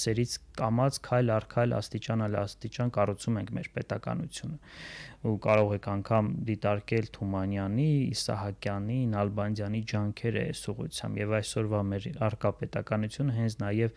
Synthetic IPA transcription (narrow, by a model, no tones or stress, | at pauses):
sɛɾit͡sʰkɑmɑt͡skʰɑjlɑrkʰɑjlɑ̰st̪it͡ʃɑnɑlɑ̰st̪it͡ʃɑnkɑrut͡sʰumɛŋkʰmɛɾpɛt̪ɑkɑ̰nut͡sʰjunəukɑɾɔʁɛkʰɑŋkʰɑmd̪it̪ɑɾkɛlt̪ʰumɑnjɑnḭːsɑ̰ɦɑkjɑninɑlbɑnd̪jɑnid͡ʒɑŋkʰɛɾɛ̰ɛ̰suʁṵt͡sʰjɑ̰mbjɛvɑjsɔɾvɑmɛɾɑrkɑpɛt̪ɑkɑnut͡sʰjunəɦɛnt͡sʰnɑjɛv